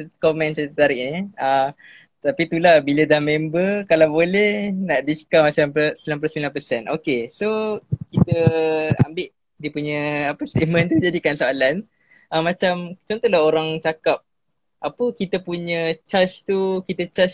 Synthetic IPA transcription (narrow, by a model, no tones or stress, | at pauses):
komɛ̃nsət̪ət̪aɾɪʔniə | t̪apit̪ulahbilədahmɛmbəkalawbolɛhnaʔdiskamat͡ʃampsəmilanp̬losəmilanpəsɛnʔo̰kesokit̪əa̰mbɪʔ | dipuɲə̃apəst̪emə̃nt̪ud͡ʒadikansoalan | ʔəmat͡ʃamt͡ʃɔnt̪ɔlaɦoɾaŋt͡ʃakap̚ | ʔapəkit̪əpuɲət͡ʃast̪ukit̪ət͡ʃas